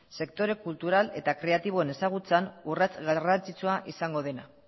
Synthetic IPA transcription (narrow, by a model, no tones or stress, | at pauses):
se̞kt̪o̞ɾe̞kult̪uɾale̞t̪akɾe̞at̪iβ̞o̞ene̞saɣ̞ut͡sanurat͡sɣarant͡sit͡suaʔisaŋɡo̞ð̞e̞na